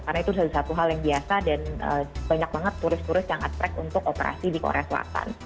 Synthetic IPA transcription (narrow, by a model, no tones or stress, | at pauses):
karnait̪udalsat̪uɦaljaŋbiasadanə̰baɲak̚baŋət̪ːuɾɪst̪uɾɪstjaŋat̪ɾɛkunt̪ʊkopeɾa̰sidiko̰ɾḛasla̰t̪a̰n